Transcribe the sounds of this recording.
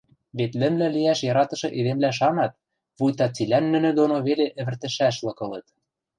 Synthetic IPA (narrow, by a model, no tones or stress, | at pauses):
βet̪lɘ̆mlæliæʃjɑɾɑt̪ɤ̆ʃɤ̆ʔed̪emlæʃ̬ɑnɑt̪̚ | βujt̪ɑt͡silænːɘ̆nɘ̆d̪onoβeleʔɘ̆βɘ̆rt̪ɘ̆ʃæʃlɤ̆kɤ̆lɤ̆t̪̚